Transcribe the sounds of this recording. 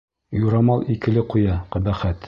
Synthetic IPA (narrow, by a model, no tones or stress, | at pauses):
juɾɑmɑlˠikɘ̆lɘqujɑqɘ̆bæχæt̪